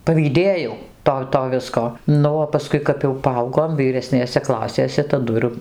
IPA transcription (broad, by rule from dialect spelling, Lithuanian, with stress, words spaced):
pɐʋʲiːˈdʲeːjɛʊ ˈtoː ˈtoː ˈʋʲɪskoː ˈnʊ oː pɐˈskʊɪ kɐp jɛʊ pɐˈɐʊɡoːm ʋʲiːrʲɛˈsʲnʲeːsʲɛ ˈklˠɑːsʲeːsʲɛ tɐˈdʊ ɪr